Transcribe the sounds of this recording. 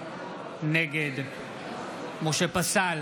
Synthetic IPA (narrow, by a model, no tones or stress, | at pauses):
nɛɡed̪ | moʃepasal